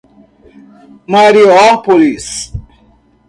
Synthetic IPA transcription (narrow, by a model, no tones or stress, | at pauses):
maɾiɔpolis